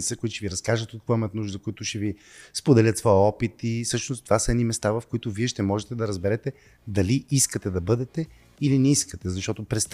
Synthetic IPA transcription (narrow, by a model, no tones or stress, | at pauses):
t̪əkoit̪ʊʃt̪ɛviɾɐskaʒət̪ot̪̚kkvaimət̪nuʒd̪əkoit̪ʊʃt̪ɛvi | spod̪ɛlʲət̪svɔjəɔpit̪isɤʃnost̪ovasəɛd̪nimɛst̪avɐfkoit̪ʊviɛʃt̪ɛmɔʒɛt̪ɛd̪ɐɾɐzbɛɾɛt̪ɛ | d̪ɐliʔiskət̪ɛd̪ɐbɤd̪ɛt̪ɛ | ilinɛiskət̪ɛzɐʃt̪ɔt̪ʊpɾɛst̪